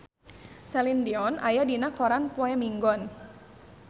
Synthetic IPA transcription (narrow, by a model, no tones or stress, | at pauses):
sɛlindiɔnʔa̰jadinakɔɾanpɔɛmiŋɡɔn